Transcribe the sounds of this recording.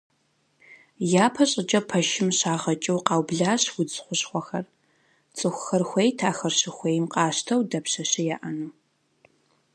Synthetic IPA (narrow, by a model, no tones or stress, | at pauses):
jaːpʰɐɕʼɪd͡ʒʼɐpʰɐʃɪmɕaːʁɐt͡ʃʼɨwqɑːwbɮaːɕwʊd͡zχʷʊɕχʷɔxɐr | t͡sʼɨxʷxɐrxʷejtʰaːxɐrɕɪxʷeːjmqʼɑːɕtʰɐwdɐpɕɐɕɪjaːʔɐnuː